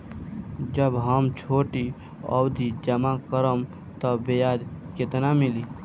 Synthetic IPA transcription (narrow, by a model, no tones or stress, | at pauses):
d͡ʒəbɦəmt͡ʃʰoʈi | ɔ̰wd̪ʱid͡ʒəmakəɾəm | t̪ɔbejad̪ket̪namili